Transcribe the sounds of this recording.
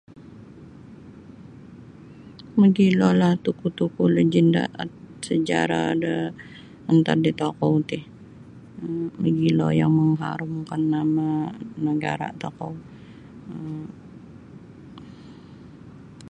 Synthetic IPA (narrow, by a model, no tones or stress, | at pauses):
məɡilɔlaht̪ukut̪ukuləd͡ʒinda̰ʔat̪̚ | səd͡ʒa̰ɾa̰də | ənt̪ar̚dit̪okɔwt̪ɪh | məɡilɔ̰jaŋməŋɦa̰ɾʊmkanːamanəɡa̰ɾa̰ʔt̪okɔw | ə